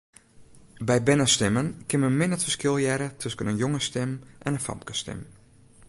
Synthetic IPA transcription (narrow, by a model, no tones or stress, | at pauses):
bɛjbɪnəstɪmənkɪnməmɪnətfərskɪlˠjɛɾətʰøskənənjoŋəstɪmʔɛnənfɑ̰mkəstɪ̰m